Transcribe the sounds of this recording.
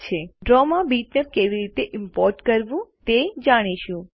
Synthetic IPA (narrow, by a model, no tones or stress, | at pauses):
t͡ʃʰeɖɾɔmãbiʈnep̚keʋiɾit̪eʔɪmpɔɾʈkəɾʋũt̪ed͡ʒaɽ̃iʃũ